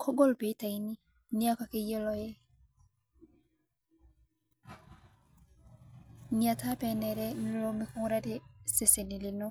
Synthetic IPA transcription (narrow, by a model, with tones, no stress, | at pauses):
kʰɔ˦ɡɔ˦˨lpe˨i˦ta˨i˦ni˦ | ni˦a˦ka˨ke˦je˦lɔ˦jɛ˦ | ni˨a˨tʰa˦pɛ˨nɛ˨ɾɛ˦ni˦lo˦mi˦ku˦ŋ˦ɾa˦te˦se˨se˨ni˨li˨nɔ˦